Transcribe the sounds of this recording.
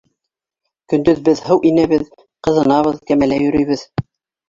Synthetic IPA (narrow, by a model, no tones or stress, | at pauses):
kɵ̆nd̪ɵðbɘðhɤwʔinæβɘð | qɤ̆ðɤ̆nɑβɤðkæmælæjɵ̆ɾɵ̆jβɘð